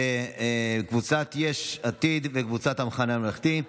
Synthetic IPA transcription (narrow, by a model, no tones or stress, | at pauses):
kvut͡sat̪jeʃat̪id̪vekvut͡sat̪hamχanamelaχt̪i